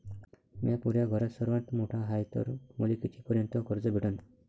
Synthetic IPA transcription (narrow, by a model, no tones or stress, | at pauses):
mapuɾjaɡʱɔɾɔsɔɾwant̪moʈʰaɦajt̪ɔ̰ɾmolikit̪ʰikɔɾjɔnt̪ɔkɔɾd͡ʒɔbʱiʈɔni̥